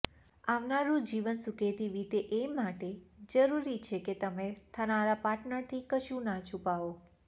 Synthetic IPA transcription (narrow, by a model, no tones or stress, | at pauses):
aʋnaɾũd͡ʒiʋənsuket̪iʋit̪eʔemaʈed͡ʒəɾuɾit͡ʃʰeket̪əmet̪ʰənaɾapaʈnəɾt̪ʰikəʃũnat͡ʃʰupao